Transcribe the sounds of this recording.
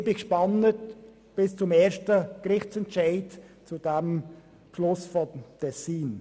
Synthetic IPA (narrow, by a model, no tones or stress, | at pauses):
bɪkʃpɑnət | b̥ɪst͡sʊmɛːɾʃtəkrɪχt͡sɛntʃaɪtt͡sudɛm | pʃlʊsfɔtʰɛsiːn